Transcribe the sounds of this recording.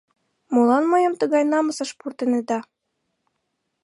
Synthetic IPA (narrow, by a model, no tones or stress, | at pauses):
molɑnmɤjɤmt̪əɣɑjnɑmɤsɤ̆ʃpurt̪ened̪ɑ